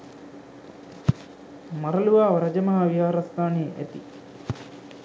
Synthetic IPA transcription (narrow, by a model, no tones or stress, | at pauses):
mɐɾɐluʋaːʋɐɾɐd͡ʒɐmɐɦaʋiɦaːɾɐst̪aːneːʔḛt̪ḭ